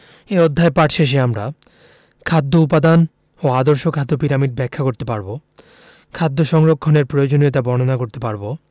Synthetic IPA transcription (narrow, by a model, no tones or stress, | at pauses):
eod̪ʱːaepaʈʃeʃ̬eamɾa | kʰad̪ʱːoupad̪an | oad̪oɾʃokʰad̪ːopiɾamiɖ̚bɛkʰːakoɾt̪epaɾbo | kʰad̪ːoʃɔŋɾokʰːoneɾpɾojod͡ʑonijot̪abɔɾnonakoɾt̪epaɾbo